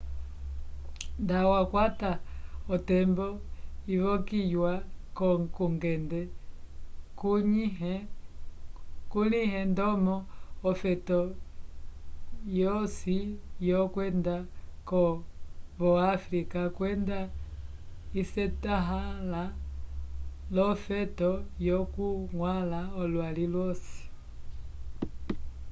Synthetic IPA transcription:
ndawakwataɔtɛmbɔiβɔkijwakɔkuŋɡɛndɛ | ku | kulihɛndɔmɔːfɛtɔ | jɔsijɔkwɛndakɔ | βɔafɾikakwɛnda | isɛtaɦala | lɔfɛtɔjɔkuŋwalaɔlwalilwɔsi̥

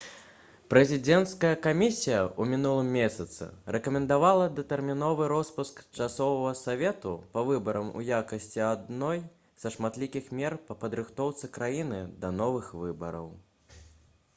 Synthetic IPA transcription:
pɾɛzʲid͡zʲɛnt̪skɐjɐkamʲisʲijɐumʲinulˠɨmːʲesʲɐt̪sɨ̰rɛkɐmʲɛnd̪avalˠɐd̪ɐt̪ɛrmʲinɔvɨɾɔspuskt͡ʂasɔvɐvɐsavʲɛt̪upɐvɨbɐɾɐmṵjakɐsʲt͡sʲiad̪nɔj | z̥ɐʂmat̪lʲikʲixmʲɛrpɐpɐd̪ɾɨxt̪ɔwt̪sɨkɾajinɨd̪ɐnɔvɨxvɨbɐɾɐ̰w

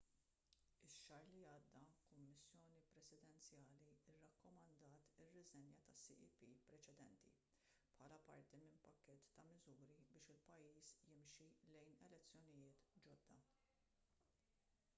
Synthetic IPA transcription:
ɪʃːɐɾliɐːd̪ːɐkʊmːɪsːjɔːnipɾɛsɪd̪ɛnt͡sjɐːliɪrːɐkːɔmɐnd̪ɐːt̪ɪrːɪzɛnjɐt̪ɐsḭʔipiːpɾɛt͡ʃɛd̪ɛ̰nt̪ḭ | pħɐːlɐpɐɾt̪imɪnpɐkːɛt̪ːɐmɪzuːɾibɪːʃɪlpɐjːiːsjɪmʃilɛjnɛlɛt͡sːjɔnɪjɪːt̪d͡ʒɔd̪ːɐ

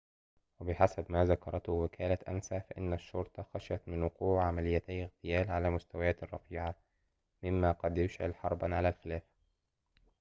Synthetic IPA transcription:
wɪbɪħasabmaːzakɑɾˤɑt̪hʊwɪkʰaːlat̪ʔa̰nsaːfaʔɪnːaʃːʊɾt̪ˤɑxaʃæt̪mɪnwʊquːʕʕamalɪjːat̪ajːɪɣt̪ɪjæːlʕalæːmʊst̪awajaːt̪ɑrˤːɑ̰fiːʕa | mɪmːaqɑd̪jʊʃʕɪ̰lħɑɾˤba̰nʕalaːlxɪlaːfḁ

